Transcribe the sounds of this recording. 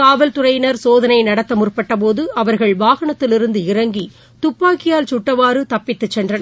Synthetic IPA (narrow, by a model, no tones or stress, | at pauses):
aːʋɐlt̪ʊrɐɪnɐɾsoːðɐnɐɪnɐɽɐt̪ːɐmʊrpːɐʈːɐp̬oːðɯɐʋɐɾɣɐɭʋaːɣɐɳɐt̪ːɪlɪɾɯnd̪ɯɪrɐŋɡi | t̪ʊpːaːkːɪjaːlt͡ʃʊʈːɐʋaːɾɯt̪ɐpːɪt̪ːɯt͡ʃːɛndrɐnɐ